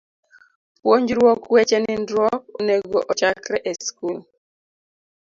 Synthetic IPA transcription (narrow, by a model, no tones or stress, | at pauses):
pwoɲd͡ʒɾwɔkwɛt͡ʃɛnɪndɾɔkoneɡoʔɔt͡ʃakɾɛʔeskul